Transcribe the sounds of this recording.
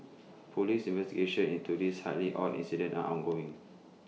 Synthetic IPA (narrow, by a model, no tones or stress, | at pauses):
pʰolisĩnvɛstiɡeʃə̃nĩntudisha̰liʔɔ̰lʔḭ̃nsidə̃nta̰ʔɔ̃nɡoɪ̃ŋ